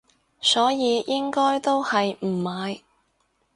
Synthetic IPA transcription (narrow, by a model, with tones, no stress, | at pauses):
sɔː˨˥jiː˨˧jɪ˥ŋkɔː˥jt̪o˥whɐ˨jm̩˨˩maː˨˧j